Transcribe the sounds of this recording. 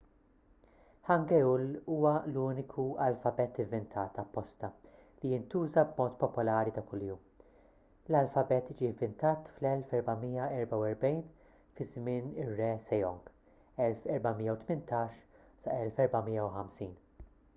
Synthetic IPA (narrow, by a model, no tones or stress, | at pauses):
ħɐŋɡɛuluːwɐluːnɪkʰuɐlfɐbɛt̪ɪvːɪnt̪ʰɐːt̪ɐpːɔst̪ɐ | lijɪnt̪uːzɐbmɔːt̪pɔpʊlɐːɾit̪ɐkʊljuːm | lɐlfɐbɛt̪d͡ʒivːɪnt̪ɐːt̪flɛlfɛɾbɐmiːjɐɛɾbɐwɛɾbɛjn | fɪzmɪːnɪrːɛsɛjɔŋɡ | ɛlfɛɾbɐmijːɐwt̪mɪnt̪ɐːʃ | sɐʔɛlfɛɾbɐmiːjːɐwħɐmsiːn